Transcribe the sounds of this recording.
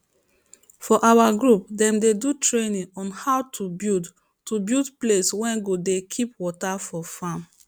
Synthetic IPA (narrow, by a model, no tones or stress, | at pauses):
fɔʔawaɡɹup̚dɛ̃mdedutɹenĩɔ̃nhawtubid | tubildpleswɛ̃nɡodekʰip̚wɔtafɔfãm